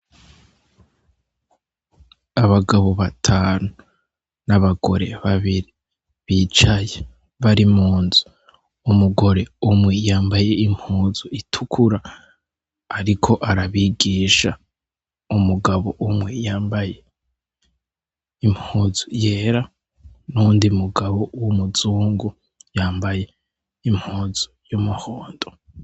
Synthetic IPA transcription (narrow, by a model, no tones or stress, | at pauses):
aβaɡaβo̞βatʰaːnu | naβaɡ̥o̞̰ɾe̞̰βaβiɾi | βit͡ʃaje | βaɾimuːnzu̥ | umuɡo̞ɾe̞umŋejaːmbaje̞im̥huːzuitʰukʰuɾaː | ɾikʰo̞ʔaɾaβiɡiːʃa | umuɡaβo̞ʔumwejaːmbaje̞ | imhuːz̥uje̞ːɾa | nuːndiumuɡaβowomuzuːŋɡu | jaːmbaje̞ | im̥huːz̥u̥jumuhoːndo